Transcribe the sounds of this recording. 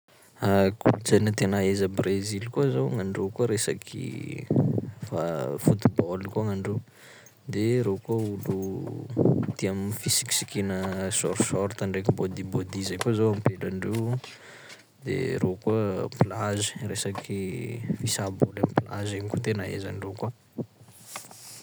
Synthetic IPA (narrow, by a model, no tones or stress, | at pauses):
akʰult͡sanət̪enaezəbrezilkuəzowŋaɳɖ͡ʐekuəɾesa̰kʰḭ | fafut̪ibolkuaŋaɳɖ͡ʐew | d̪eɾokuəulu | t̪iamfisi̥ki̥sikinəsɔɾsɔɾt̪aɳɖ͡ʐekibod̪ibod̪izajkuzowampelaɳɖ͡ʐew | d̪ḛɾokuəplazi̥resakʰifisabolamiplazeɲikut̪enaḛza̰ɳɖ͡ʐekua